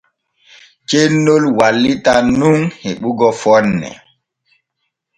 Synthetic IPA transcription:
t͡ʃenːolwalːitanuŋheɓuɡɔfɔnːɛ̰

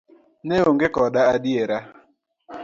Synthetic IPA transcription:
neoŋ̩ɡɪkɔdaadɪeɾa

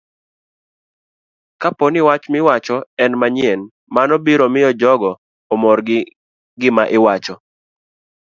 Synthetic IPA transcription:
kaponɪwat͡ʃmɪwat͡ʃɔɛnmaɲjɛn | manɔbiɾomɪjɔd͡ʒɔɡɔː | mɔɾɡ | ɡɪmaʔɪwat͡ʃɔ

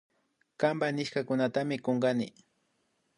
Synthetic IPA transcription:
kambanɪʃkakʊnat̪amɪkoŋɡanɪ

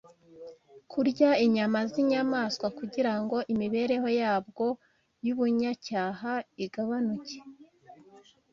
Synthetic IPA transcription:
kʰuɾɟaiɲamaziɲamaːskwakuɟiɾaŋɡo̞ʔimiβe̞ɾe̞ho̞jaːbɡo̞ | juβuɲacaːɦaiɡaβanuce̥

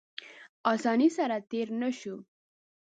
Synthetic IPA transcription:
ɑsɑnisaɾat̪eɾnəʃu

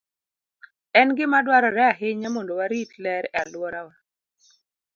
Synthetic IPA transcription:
ɛnɡɪmadwaɾɔɾɛaɦɪɲamɔndowaɾitlɛɾalwɔɾawa

